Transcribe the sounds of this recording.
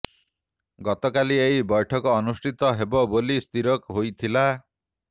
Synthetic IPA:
ɡɔt̪ɔkaliejbɔjʈʰɔkɔːnusʈʰit̪ɔɦebɔbolist̪iɾɔkɦojt̪ʰila

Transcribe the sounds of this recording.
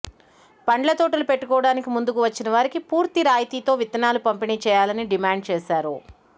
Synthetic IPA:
pɐɳɖlɐt̪oːʈɐlupe̞ʈːukɔːʋɐɽaːnikimund̪ukuʋɐt͡ʃːinɐʋaːɾikipuːɾt̪iɾaːjt̪iːt̪o̞ːʋit̪ɐnaːlupɐmpiniːt͡ʃɛːjaːlɐniɖimaːɳɖ̚t͡ʃɛːsaːɾu

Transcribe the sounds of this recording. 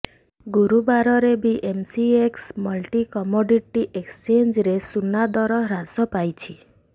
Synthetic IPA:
ɡuɾubaɾɔɾebiʔemsieksmɔlʈikɔmoɖiʈiʔekst͡ʃend͡ʒɾesunad̪ɔɾɔɾasɔpajt͡ʃʰi

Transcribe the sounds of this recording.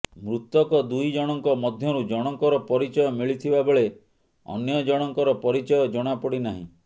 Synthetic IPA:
mɾut̪ːɔkɔd̪ujd͡ʒɔɽ̃ɔŋkɔmɔd̪ʱjɔɾud͡ʒɔɽ̃ɔŋkɔɾɔpɔɾit͡ʃɔjɔmiɭit̪ʰibabeɭe | ɔ̰njɔd͡ʒɔɽ̃ɔŋkɔɾɔpɔɾit͡ʃɔjɔd͡ʒɔɽ̃apɔɽinaɦḭ̃

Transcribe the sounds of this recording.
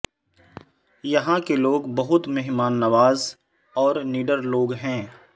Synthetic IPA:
jɐɦãkeloːɡbɐɦʊt̪meɦmaːnːɐʋaːz | ɔːɾniːɖəɾloːɡɦɛ̃ː

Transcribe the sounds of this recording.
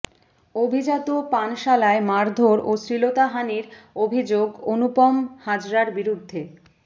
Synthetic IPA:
obʱid͡ʑat̪opanʃalaemaɾd̪ʱoɾosɾilot̪aɦaniɾobʱid͡ʑoɡonupɔmhad͡ʑɾaɾbiɾud̪ʱːe

